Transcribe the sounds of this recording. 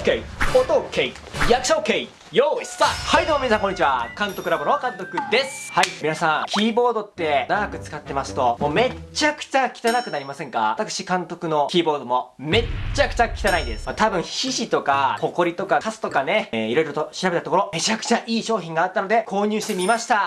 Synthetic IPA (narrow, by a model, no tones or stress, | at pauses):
keiot̪okʰei | jakɯ̟̥okei | joːisahaid̪omominasãŋkoɲːit͡ɕiβakãnt̪o̞kɯ̟ɾabo̞noakãnt̪o̞kɯ̟d̪e̞sɨ̥haimʲinasãŋkʲiːbo̞ːd̪o̞t̪ːe̞naɡakɯ̟t͡sɨ̥kat̪ːe̞masɨ̥t̪o̞moːme̞t͡ɕakɯ̟̥t͡ɕakʲi̥t̪anakɯ̟naɾʲimasẽ̞ŋka̰at̪akɯ̥ɕikãnt̪o̞kɯ̟no̞kʲiːbo̞ːd̪omo̞ | me̞t͡ɕakɯ̟̥t͡ɕakʲi̥t̪anaĩnd̪e̞sɨ̥mat̪abɯ̟̃çiɕit̪o̞kako̞ko̞ɾʲit̪o̞kakasɨ̥t̪o̞kane̞iɾo̞iɾo̞t̪o̞ɕiɾabe̞t̪at̪okoɾo̞me̞t͡ɕakɯ̥t͡ɕaʔiːɕo̞ːçʲĩŋɡaːt̪ːano̞d̪e̞kʰo̞ːɲ̟ɨːɕi̥t̪e̞mʲimaɕi̥t̪a